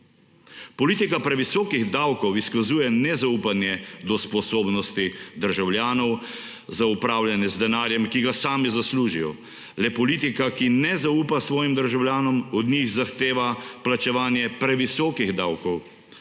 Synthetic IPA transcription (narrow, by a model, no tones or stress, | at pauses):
pɔliːt̪ikapɾɛʋisɔːkiɣd̪awkɔwiskazuːjɛnɛzauːpanjɛd̪ɔspɔsoːbnɔst̪id̪əɾʒawlʲjaːnɔw | zaupɾaːwljanɛzd̪ɛnaːɾjɛmkiɡasaːmizasluːʒijɔ̰ | lɛpɔliːt̪ikakinɛzauːpasʋɔːjimd̪əɾʒawljaːnɔmɔd̪niɣzaxt̪eːʋaplat͡ʃɛʋaːnjɛpɾɛʋisɔːkiɣd̪awkɔw